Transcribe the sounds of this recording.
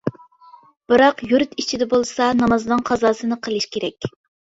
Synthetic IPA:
b̥ɨɾɑqjuɾt̪it͡ʃʰid̪ɛbolˠsɑnɑmɑzɨnɨŋqʰɑzɑːsɨnɨqʰəlˠɨʃkʲeɾɛkʲ

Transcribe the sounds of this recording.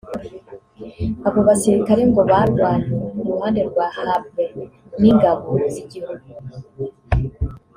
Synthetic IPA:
aβo̞βasiɾikaɾe̞ŋɡo̞βaɾɡwaːɲieuɾuhaːnde̞ɾɡwaːhab̚ɡe | niŋɡaβoziɟihuɡu

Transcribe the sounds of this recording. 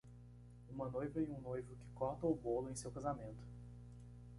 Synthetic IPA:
ũmɐnojvɐẽũnojvʊkɪ̥kɔɾt̪ɐʊbolʊẽj̃sewkazamẽnt̪ʊ̥

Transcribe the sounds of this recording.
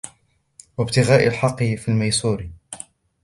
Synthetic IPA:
wabt̪ɪɣaːʔalħɑqːɨfilmajsˤuːɾ

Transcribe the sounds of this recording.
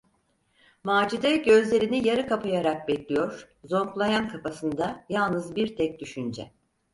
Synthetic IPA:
maːd͡ʒid̪ɛɟø̞zlʲe̞ɾinijaɾɯkapajaɾak̚bɛclʲijoɾ̥ | zo̞mklˠajankʰapasɯnd̪ajalˠnɯzbiɾt̪ʰɛc̚d̪yʃynd͡ʒɛ̰

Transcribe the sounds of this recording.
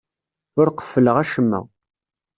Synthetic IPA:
ʊɾqə̥fːələʁæʃəmːæ̰

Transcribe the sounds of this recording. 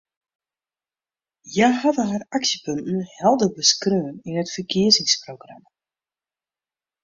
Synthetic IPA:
jajɦadəɦaraksjəpɵntn̩hɛlˠdəbəskrøːninətfərkʰɪəzɪŋsprowɡram

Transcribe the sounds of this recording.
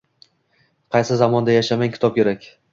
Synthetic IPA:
qʰɑjsɪzamɒnd̪ajaʃamaŋʲkʲʰɪ̥t̪ɒp̚kʲʰe̞ɾakʲ

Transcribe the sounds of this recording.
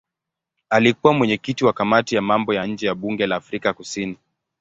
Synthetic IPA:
alikuwamwɛɲɛkitiwakamatijamambɔjaɲ̩d͡ʒɛjaɓuŋɡɛlaːfɾikakusini

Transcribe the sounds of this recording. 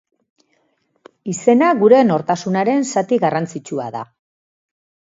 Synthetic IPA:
ise̞naɣuɾe̞no̞ɾt̪asunaɾe̞nsat̪iɣarant͡sit͡ʃua̰ða̰

